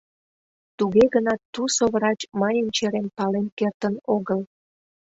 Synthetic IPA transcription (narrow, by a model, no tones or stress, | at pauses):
t̪uɣeɣənɑt̪ːusoβrɑt͡ɕmɑjənt͡ɕeɾenpɑlenkert̪ənoɣəl